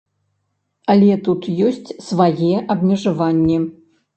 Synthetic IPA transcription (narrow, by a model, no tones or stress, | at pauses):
ɐlʲɛt̪ut̪jɔsʲt͡sʲsvajɛʔɐbmʲɛʐavanʲːɛ